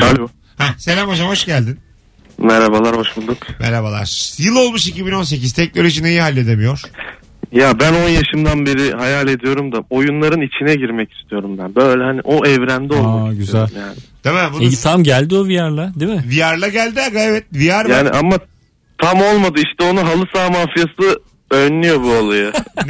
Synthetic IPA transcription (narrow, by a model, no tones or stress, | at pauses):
alʲo | hæse̞lʲamo̞d͡ʒamho̞ʃɟælʲd̪in | mɛɾabalˠaɾho̞ʃbulˠd̪ukmʔḛɾabalˠa̰ɾ̥jɯlˠo̞lˠmuʃicibino̞ns̬e̞c̬iz̥t̪ʰɛcnʲoɾit͡ʃinejihalʲːe̞d̪e̞mijo̞ɾ̥ | jabæno̞njaʃɯmd̪anbeɾiɦajalʲe̞d̪ijo̞ɾumd̪ao̞junlˠaɾɯnit͡ʃʰinɛɟiɾmɛci̥st̪ʰijo̞ɾumbænbøjlʲɛhaniʔo̞ʔɛvɾæmd̪ɛolˠmakɟyzij̪ælʲumjaːnɪd̪̥emɛbunt̪ʰamɟælʲd̪iovijaɾlˠad̪imɪvijaɾlˠaɟælʲd̪iaɡaevɛt̪̚vijaɾjaːnḭʔamːa | t̪ʰamo̞lˠmad̪ɯiʃt̪ʰɛo̞nuɦalˠɯsaːmaːfijasɯ | ønːyjo̞bualˠajɯ